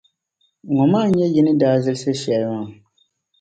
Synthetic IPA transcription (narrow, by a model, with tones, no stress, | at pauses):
ŋɔ˨maː˦˨ɲɛ˦jɪ˦nɨ˦daː˦zɨ˦lsɨ˦ʃɛ˨˦ŋa˨